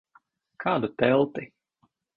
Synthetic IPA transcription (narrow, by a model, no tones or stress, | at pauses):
kʰaːd̪ut̪ɛlˠt̪i